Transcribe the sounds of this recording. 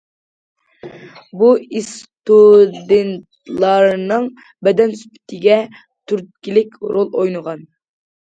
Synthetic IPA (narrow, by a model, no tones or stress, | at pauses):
buist̪ud̪ent̪lˠɑɾnɨŋ | bɛd̪ɛnsy̥pʰɪ̥t̪ʰɪɡʲɛ | t̪ʰyɾt̪̚kʲilɪkʲɾolˠojnəʁɑn